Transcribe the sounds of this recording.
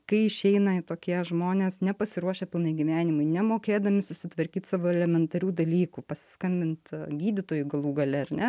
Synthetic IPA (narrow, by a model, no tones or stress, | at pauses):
kɐɪɪʃʲɛɪnɐɪt̪oːkʲiɛʒmoːnʲeːsnʲɛpɐsʲɪɾuɔʃʲeːpʲɪlˠnɐɪɡʲiʋʲæːnʲɪmʊɪnʲɛmoːkʲeːd̪ɐmʲɪsʊsʲɪt̪ʋɐɾʲkʲiːt̪sɑʋoːɛlʲɛmʲɛnt̪ɐɾʲuːd̪ɐlʲiːkuːpɐsʲɪ̥skɐmʲbʲɪnt̪ɡʲiːd̪ʲɪt̪oːjʊɡɐlˠuːɡɐlʲɛɐrnʲɛ